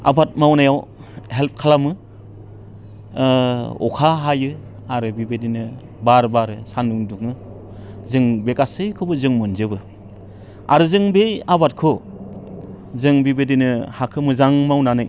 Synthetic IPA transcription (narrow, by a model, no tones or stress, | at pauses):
a̰bat̚mawnajaw | ɦelp̚kʰalamɯ | ɔ̰kʰaɦajɯ | aɾɯbibedinɯ | baɾbaɾɯsanuŋduŋɯ | zɯŋbekasɯjkʰɯbɯzɯŋmɯnzɯbɯ | a̰ɾɯzɯŋbejabat̚kʰɯ | zɯŋbibedinɯhakʰɯmɯzaŋmawnanɯj